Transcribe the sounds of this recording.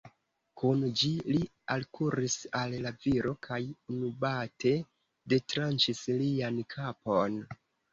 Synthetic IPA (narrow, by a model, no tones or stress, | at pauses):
kund͡ʒili | alkuɾisallaviɾo̞kʰajunubate̞ | de̞tɾant͡ʃisliankʰapo̞n